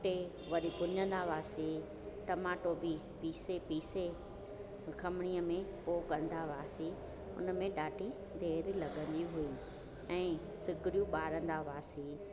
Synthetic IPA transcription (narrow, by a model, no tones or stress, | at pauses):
ʈe | ʋɐɗikʊɲə̃nd̪aʋaːsi | ʈɐmaːʈobi | piːsepiːse | kʰɐmɽ̃iːəmẽpoːkɐ̃n̆d̪aʋaːsi | ʊ̰nə̆mẽɗaːʈi | d̪ʱeːɾlɐɡʱə̃nd̪iɦui | ɛ̃ː | sɪɡɪɾijũɓaːɾə̃nd̪aʋaːsi